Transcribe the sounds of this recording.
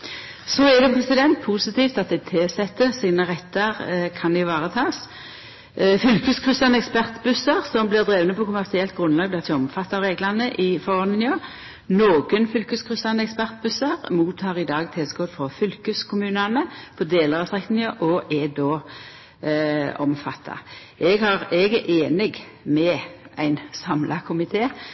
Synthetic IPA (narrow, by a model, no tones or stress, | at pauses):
sɔɛd̪ɛpʰʁɛsɪd̪ɛnt̪̚pʰusɪt̪ʰiːft̪ɑt̪̚d̪ɛɪt̪ʰeːsɛt̪ːəʁsiːnəʁɛt̪ːəʁkʰɑnd̪ɪʋɑːʁət̪ʰɑːs | fʏlkʉskʰʁʏsɑnəɛkspæʁt̪bʉsəʁsɔmblɪʁd̪ʁeːʋənəpʰɔkʰʊmæʁsɪɛlt̪̚ɡʁʉnlɑːɡblɪʁt̪ʰɛɔmfɑt̪ːɑʋʁeːɡlɑnəʔɪfɔʁnnɪøː | noːɡənfʏlkəskʰʁʏsɑnəɛkspæʁt̪̚bʉsəʁmuːt̪ʰːɑːʁɪd̪ɑːɡt̪ʰeːsɡoːd̪fʁɔfʏlkəskʰʊmʉːnənəfɔd̪eːləʁɑsʁɛkt̪nɪɪəʔɔːʔɛd̪oː | ɔmfɑt̪ʰːɑ̰ | ʔɛɡhɑʁɛɡɛʔeːnɪɡ | mɛæɪnsɑmlɑkʰʊmɪt̪ʰeː